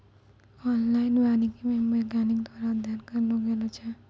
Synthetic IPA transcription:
ɔnlajnbanikimembʌɡanikd̪waɾad̪ʱjanɡʌrnuɡelot͡sʰʌ

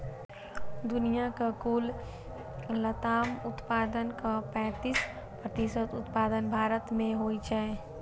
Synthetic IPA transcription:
d̪ʊnijakakuːl | lət̪aːmʊt̪paːd̪ənkapɛ̃ːt̪is | pɾət̪isət̪ʊt̪paːd̪ənbʱaːɾət̪mẽɦoit͡ʃae

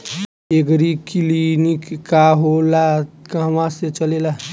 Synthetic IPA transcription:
eɡɾikilinikkːaɦolakaɦəmãset͡ʃəlela

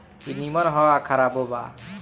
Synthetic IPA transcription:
inimɔnɦɔakʰaɾabɔba̰

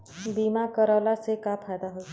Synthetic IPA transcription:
biːmakəɾɔːlasekapʰaːjd̪aɦo

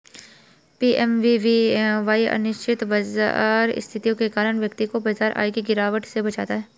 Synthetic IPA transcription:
piːʔɛmʋiʋiʋaːiʔɐ̰nɪʃt͡ʃʰɪt̪bɐza̰ːɾɪ̰st̪ʰɪt̪ijõkekaːɾəɳ̃ʋjəkt̪ikobɐzaːɾʔa̰ːikiɡɪɾaːʋəʈsebɐt͡ʃa̰ːt̪aɦɛː

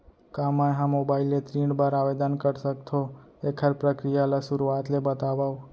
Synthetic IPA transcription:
kamãjɦãmobailet̪ɾiɳɖbaɾaʋed̪ankəɾsək̚t̪ʰoekʰəɾpɾəkɾijalasuɾuat̪lebət̪aʋaʋ

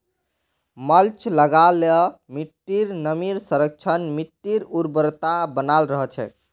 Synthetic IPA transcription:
məlt͡ʃləɡalɔmiʈːiɾnəmiɾsəɾək̚t͡ʃʰənmiʈːiɾuɾbəɾt̪abənalɾəɦət͡ʃʰɛ̰

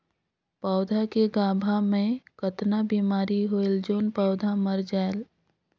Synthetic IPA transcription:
paʊd̪ʱakeɡaːbʱamẽkət̪nabiːmaːɾiɦoeld͡ʒoːnpɔːʊd̪ʱaməɾd͡ʒaːel

